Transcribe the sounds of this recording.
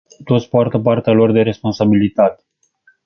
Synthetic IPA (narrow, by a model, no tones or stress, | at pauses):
t̪o̞t̪sʲpoart̪əp̬art̪ealo̞rd̪e̞ɾe̞spo̞nsabilit̪at̪e̥